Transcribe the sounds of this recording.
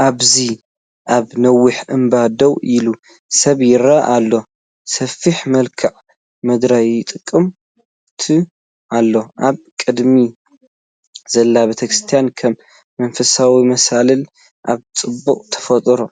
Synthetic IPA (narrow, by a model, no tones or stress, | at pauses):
ʔaβzi | ʔaβnɐwːɨħɨmbad̪owʔilu | sɐβjɪɾɐʔalːo̞ | sɐfiħmɐlkʰɨʕ | mɐd̪ɾajɪt̪ʼɨkʼːɨm | t̪ʰɨ | alːo̞ʔaβkʼɨd̪mi | z̥ɐlːabet̪ʰɐkɾɨst̪ʰijankʰɐmː | ɐnfɐsawimɐsalɐl | ʔaβt͡sʼɨbːuqʼt̪ʰɐ̥fɐt̪ʼɾo